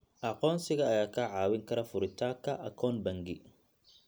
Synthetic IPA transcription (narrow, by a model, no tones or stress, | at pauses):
ʔɐqɔːnsɪɣɐːjaːkʰɐʕɑːwɪŋkʰɐɾɐfʊɾɪt̪ʰaːkʰɐʔɐkʰɔːnbɐŋɡɪ